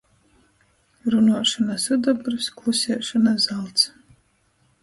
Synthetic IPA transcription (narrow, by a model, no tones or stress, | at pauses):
ɾunuɔʂɔnasɨd̪abɾsklˠusʲiɛʃɔnazalˠt̪s